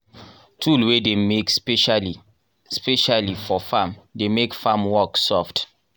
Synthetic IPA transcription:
tʰulwedemekspeʃali | speʃalifɔfãmdemekfãmwɔksɔft

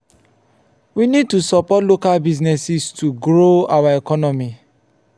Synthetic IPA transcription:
winid̚tusɔpɔtlokalbiznɛsistuɡɾoawaekɔnɔmi

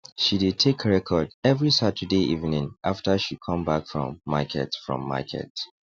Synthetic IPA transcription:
ʃidid̚tʰekəɹɛkʰɔdɛvɹisatʰədeʔivnĩŋʔaftəʃikʰɔ̃mbakfɹɔ̰̃mːa̰kʰɛ̰tfɹɔ̰̃mːa̰kʰɛ̰t

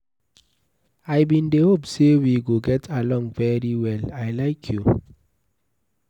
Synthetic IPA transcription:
ajbĩndehopsewiɡoɡɛtʰalɔ̃ŋvɛɹiwɛlajlajkʰju

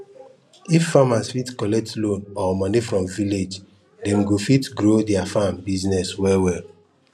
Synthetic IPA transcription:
ifːamasfitkɔlɛk̚tlõnɔmɔnifɹɔ̃mviled͡ʒ | dɛ̃mɡofitɡɾodɛafambiznɛswɛwɛl

